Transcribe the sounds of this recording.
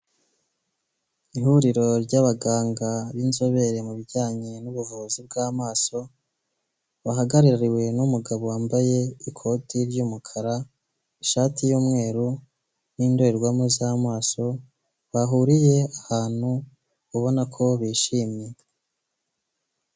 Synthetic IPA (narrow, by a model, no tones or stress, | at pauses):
iɦuɾiɾo̞ɾɟaβaɡaːŋɡaβinzo̞βe̞ɾe̞muβiɟaːɲenuβuvuːzib̚ɡaːmaːso̞ | βaɦaɡaɾiɾaɾiwe̞numuɡaβowaːmbaje̞ikʰo̞tiɾɟuːmukʰaɾa | iʃaːtʰijuːmŋe̞ːɾu | niːndo̞eɾɡwamozaːmaːso̞ | βaɦuɾije̞ahaːn̥hu | uβo̞nakʰo̞βiːʃiːmɲe